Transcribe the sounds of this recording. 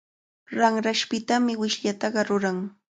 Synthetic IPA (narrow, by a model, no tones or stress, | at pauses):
ɾaŋɾaʃpɪt̪amɪwɪʃʎat̪ɑɢɑɾʊɾaŋ